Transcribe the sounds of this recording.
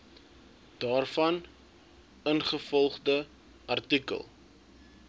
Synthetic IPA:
d̥ɑːrfɐn | ənχəfɔlˠχdə | ʔɐrtikə̰lˠ

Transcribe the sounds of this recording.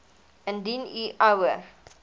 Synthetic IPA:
ə̃ndiniʔawə

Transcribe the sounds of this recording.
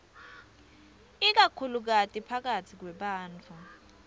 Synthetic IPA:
ik̬akʰuluk̬atʼipʰak̬atʰik̬wɛɓaːnt͡fʰu

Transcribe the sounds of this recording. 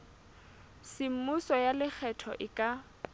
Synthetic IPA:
sɪm̩mʊsɔjalɪk͡xʰɛtʰɔ̰ʔɪkʼa

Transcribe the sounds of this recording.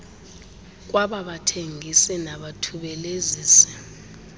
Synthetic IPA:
k̬waɓaɓatʰeŋʱisɛnaɓatʰuɓɛleziːsɛ̥

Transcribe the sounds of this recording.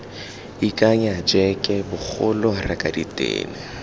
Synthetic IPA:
ikʼaɲaad͡ʒɛkʼɛbʊk͡xʊlɔrakʼaditʼḛːni

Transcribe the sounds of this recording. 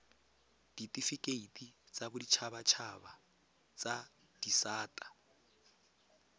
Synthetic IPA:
d̥itʼifikʼeitʼit͡sʼabʊdit͡ʃʰaβat͡ʃʰaba | t͡sʼa | d̥isaːtʼḁ

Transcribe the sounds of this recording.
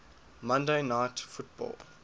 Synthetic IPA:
mãndenaɪtfutb̥ɔ̰ːl

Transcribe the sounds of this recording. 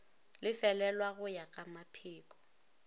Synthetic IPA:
lɪfɛlɛlwaɣʊjakʼamapʰiːkʼɔ̥

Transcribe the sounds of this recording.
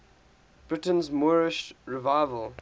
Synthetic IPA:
b̥ɹɪtə̃nzmɔːɹɪʃɹɪvaɪvəlˠ

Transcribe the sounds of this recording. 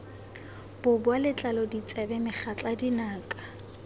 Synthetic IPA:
b̥ʊbʊalɪt͡ɬʼalɔdit͡sʼɛbɛmɪχʰat͡ɬʼadinaːkʼḁ

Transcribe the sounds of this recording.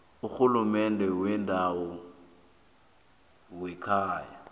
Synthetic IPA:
uk͡xulumɛndʱɛwɛndʱaɔ | wɛkʰaːja

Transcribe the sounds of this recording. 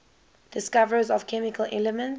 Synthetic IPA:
d̥ɪskavəɹzɔv̥kʰɛmikəlʔɛlɛmə̃n

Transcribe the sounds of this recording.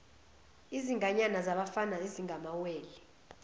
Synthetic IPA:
iziŋɡʱaɲanazaɓafanaiziŋʱamaweːli

